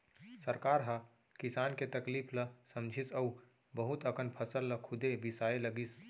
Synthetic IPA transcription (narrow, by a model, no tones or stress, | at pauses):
səɾkaːɾɦa | kisaːnket̪əkliːpʰləsəmd͡ʒʱisəu | bəɦut̪əkʰənpʰəsəlːəkʰʊd̪ebisaeləɡis